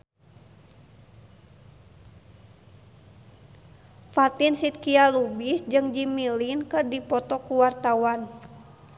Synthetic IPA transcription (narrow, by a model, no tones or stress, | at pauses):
fat̪insit̪̚kialubisd͡ʒɨŋd͡ʒimilinkɨrdipɔt̪ɔkuwart̪awan